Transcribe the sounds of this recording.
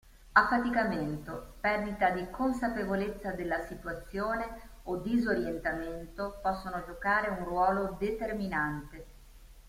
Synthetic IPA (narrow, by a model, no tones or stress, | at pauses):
afːat̪ikament̪opɛrd̪it̪ad̪ikons̬apevolet̪sːad̪elːasit̪wat̪sːjoːneod̪izoɾjent̪ament̪opɔsːonod͡ʒokaːɾeunrwɔːlod̪et̪erminant̪e